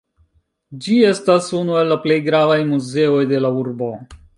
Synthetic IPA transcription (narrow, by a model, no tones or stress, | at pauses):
d͡ʒie̞stasunue̞lːaple̞jɡɾavajmuze̞o̞jde̞lauɾbo̞